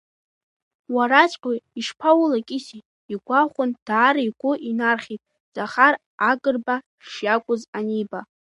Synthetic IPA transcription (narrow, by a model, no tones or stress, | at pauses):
waɾat͡ʃʷʼqʲʼoiʂpʰawʊlakʲʼɪsi | iɡʷaχʷʊnd̥aːɾiɡʷʼʊʔinarχʲitʼ | z̥ʼaχar | aɡʼɨrba | ʂjakʷʼʊzaniba